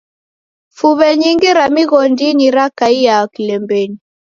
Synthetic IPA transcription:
fuβɛɲiŋɡiɾamiɣɔndiniɾakaijakilɛmbɛni

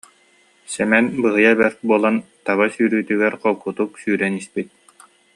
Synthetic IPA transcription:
sɛmɛnbɯɦɯjabɛɾt̪̚buɔlˠant̪aβasyːɾyːt̪yɡɛɾqɔlˠkut̪uksyːɾɛnispit̪̚

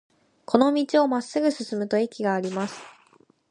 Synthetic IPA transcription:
kʰo̞no̞mʲit͡ɕio̞masːɨɡɯ̟sɨsɨmɯ̟t̪o̞ekʲiɡaːɾʲimasɨ̥

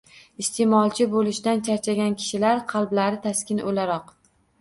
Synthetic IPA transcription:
ɪst̪ʰemɒlˠt͡ʃʰɪbolɪʃd̪ant͡ʃʰaɾt͡ʃʰaɡʲankʲʰɪ̥ʃɪlaɾqʰɑlˠblaɾɪt̪ʰaskʲɪno̰laɾɒq

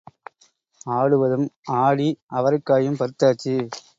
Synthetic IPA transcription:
aːɭɯʋɐðɯmaːɭiʔɐʋɐɾɯkːaːjɯmpɐɾɯt̪ːaːt͡ʃːi

